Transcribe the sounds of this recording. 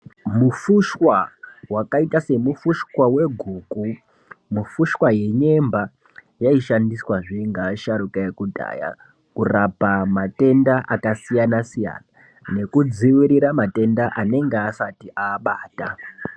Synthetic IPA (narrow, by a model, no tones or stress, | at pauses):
mufuʃwawakaitase̞mufuʃwawe̞ɡʱuːku | mufuʃwaje̞ɲe̞mba | jaiʃandiswaʐiŋɡaːʃaɾukaekudʱa̰ːja̰ | kurapamate̞ndaʔakasijanasija̰na | ne̞kud͡ziwiɾiɾamate̞ndaʔane̞ŋɡeasatiʔaːɓaːta